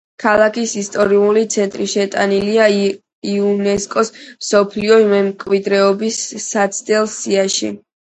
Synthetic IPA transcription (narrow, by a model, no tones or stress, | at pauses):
kʰalˠakʰisist̪ʼɔɾiulit̪sʰɛnt̪ʼɾiʃɛt̪ʼanilia | iunɛskʼɔsmsɔpʰliɔmɛmkʼwid̪ɾɛɔbisːat̪sʰd̪ɛlˠsiaʃḭ